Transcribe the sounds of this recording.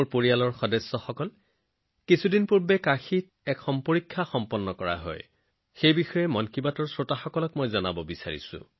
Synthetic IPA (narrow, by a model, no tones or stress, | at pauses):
poɹijalɔɹxɔdɛsːɔxɔkɔl | kisʰudinpuɹbɛkaxit | ɛkxɔmpoɹikʰːaxɔmpɔnːɔkɔɹa̰ɦɔ̰j | xejbixɔjɛmɔnkibatɔɹsɹotaxɔkɔlɔkmojzɔnabɔbisa̰ɹḭsʊ̰̃